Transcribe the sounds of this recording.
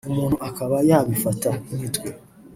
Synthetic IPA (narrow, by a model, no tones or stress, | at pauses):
omuːnuakaβajaβifatamitwe